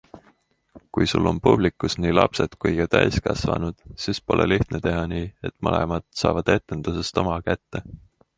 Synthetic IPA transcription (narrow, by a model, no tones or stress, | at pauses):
kujsulːo̞npub̥likːˑusniːlɑpse̞d̪̥kujɡ̥ɑt̪æjskɑsvɑ̰nud̪̥siːspo̞lʔḛliht̪net̪e̞ɦɑniːe̞t̪ːˑmɤlḛmɑd̪̥sɑːvɑd̪̥e̞t̪ːˑe̞nd̪̥usest̪o̞mɑkæt̪ːe̞